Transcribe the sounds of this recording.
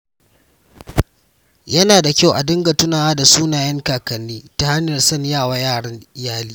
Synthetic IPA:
jɐ˦naː˨da˨kʲa˦˨wʔa̰˨dɪ˦ŋɡa˨tʊ˦naː˨waː˦da˨suː˦naː˨jɐ˦ŋkaː˨kɐ˨nːiː˦ta˨ha˦njɐ˨rsɐ˦˨ɲjaː˦˨waː˦jaː˦˨ɽɐ˦nɪ˦jaː˦liː˦

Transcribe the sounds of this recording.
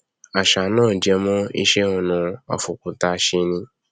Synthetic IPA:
a˨ʃa˨˦nãː˦˨d͡ʒɛ˨˧mɔ̃˦ḭ˦˧ʃe˦o˨nũ˨˧ɔ̰˧˨fu˨ku˨ta˧ʃe˦nĩ˧

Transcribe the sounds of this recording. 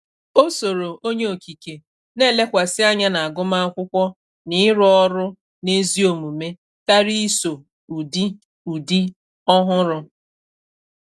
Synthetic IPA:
o˦so˨ɾo˨ʔo˦ɲe˦o˨ki˨ke˨ | ne˦˨le˦kʷa˨sɪ˦a˦ɲa˦na˨a˨ɡʊ˦ma˦a˦kʷʊ˦kʷɔ˦ | nɪ˦ɾɔ˦ɾʊ˦ | ne˦zi˦o˨mu˨me˦ | ta˦ɾi˦so˨ | u˨di˦ | u˨di˦ | ɔ˦ɦʊ˦ɾʊ˦

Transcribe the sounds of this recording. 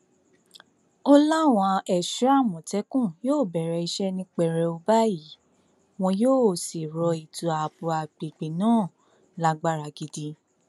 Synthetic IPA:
ɔ˦la˦˨w̃ɔ̃˧ɛ˨ʃu˦a˦˨mɔ̃˨tɛ˨˦kũ˦˨joː˦˨bɛ˨ɾɛ˧˨i˧ʃɛ˦nĩ˧k͡pɛ˨ɾɛ˧o˧ba˦ji˨˦ | w̃ɔ̃˧joː˦˨si˨ɾɔ˧i˨tu˨a˨bu˨˧a˨ɡ͡bi˨ɡ͡bi˨nãː˦˨ | la˦ɡ͡ba˦ɾa˧˨ɡi˧di˧

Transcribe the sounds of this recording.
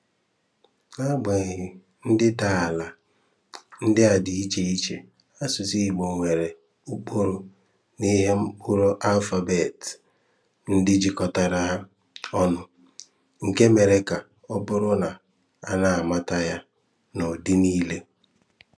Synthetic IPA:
a˦ɡ͡be˨ɣɪ˨ | n̩˦dɪ˦ta˨a˨la˨ | n̩˦dɪ˦a˨dɪ˨i˦t͡ʃe˦i˦t͡ʃe˨ | a˦sʊ˨si˦i˨ɡ͡bo˨ŋʷe˨ɾe˨ | u˦k͡po˦ɾo˨ | ni˦ɦe˦m̩˦k͡pʊ˦ɾo˦ʔa˦lfa˨be˨t | n̩˦dɪ˦d͡ʒi˦kɔ˨ta˨ɾa˨a˦ | ɔ˦nʊ˨ | ŋ̩˨ke˦me˨ɾe˨ka˨ | ɔ˦bʊ˦ɾʊ˦na˨ | a˦na˨a˨ma˦ta˦ja˦ | nɔ˨di˦niː˦le˦

